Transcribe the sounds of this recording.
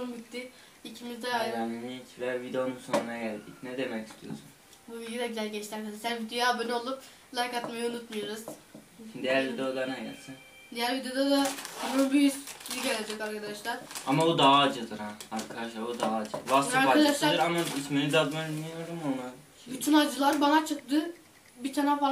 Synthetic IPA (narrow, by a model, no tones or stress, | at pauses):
umbit̪ːi | icʰimizd̪ɛjaninit͡ʃvɛvid̪eonunsonunaɟælʲd̪icnɛd̪emɛci̥st̪ʰijo̞̰sun | buvild̪ʲjd̪abizælʲɟɛt͡ʃt̪ʰʲiaɾkʰad̪aʃʲæɾvid̪jjabønʲɛo̞lˠup | lˠajkat̪majaunut̪mujoɾuz̥ | d̪ijæɾvid̪ejod̪anɛja̰sin | d̪ijæɾvid̪ejod̪ad̪aumɾubujysiɟelʲed͡ʒɛkaɾkad̪aʃlˠaɾ̥amabud̪aɦaːd͡ʒɯd̪ɯɾhaaɾkʰad̪aʃlˠabud̪aɦaːd͡ʒɯasaɾaad̪aʃlˠad̪ɯɾamaisminid̪ad̪mamijoɾɯmona | byt̪ʰynad͡ʒɯlˠaɾbanat͡ʃʰɯk̚t̪ɯ | bit̪ʰanafalˠ